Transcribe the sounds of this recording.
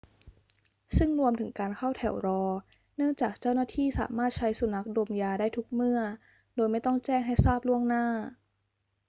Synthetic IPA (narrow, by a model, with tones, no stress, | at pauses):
sɯ˥˩ŋɾu˧əmt̪ʰɯ˩˦ŋkaː˧nkʰa˥˩wt̪ʰɛ˨˩˦wɾɔː˧ | nɯ˥˩əŋt͡ɕaː˨˩k̚t͡ɕa˥˩wnaː˥˩t̪ʰiː˥˩sa̰ː˩˦maː˥˩t̪̚t͡ɕʰa˦˥jsu˧˦na˦˥k̚doː˧mjaː˧daː˥˩jt̪ʰu˦˥k̚mɯ˥˩ɐ | doː˧jma˥˩jt̪ɔ˥˩ŋt͡ɕɛː˥˩ŋɦa˥˩jsaː˥˩p̚lu˥˩əŋnaː˥˩